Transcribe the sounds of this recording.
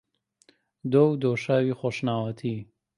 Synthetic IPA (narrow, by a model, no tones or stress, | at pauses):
d̪owd̪oːʃaːwiːxoːʃnaːwɐt̪ʰi